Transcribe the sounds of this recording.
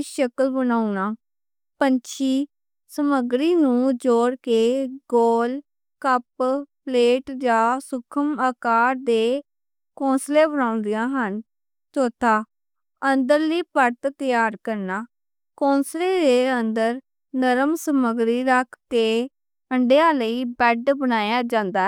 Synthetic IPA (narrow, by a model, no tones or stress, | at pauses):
ʃəkəlbənaːunaː | pənt͡ʃʰiː | səməɡɾiːnũːd͡ʒoːɽkeːɡoːl | kəppleːʈd͡ʒaːsʊkʰəmaːkaːɾd̪eː | kõːnsleːbənãːnd̪ɪjãːɦən | soːt̪aː | ənd̪əɾliːpəɾt̪t̪əjaːɾkəɾnaː | kõːnsleːɾeːənd̪əɾ | nəɾəmsəməɡɾiːɾəkʰkeː | əɳɖejãːləiːbɛɖbənaːjaːd͡ʒãːnd̪aː